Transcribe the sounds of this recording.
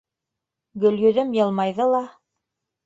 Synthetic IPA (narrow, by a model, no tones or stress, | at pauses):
ɡɵ̆lɡɵ̆ðɘmjɤ̆lˠmɑjðɤlˠɑ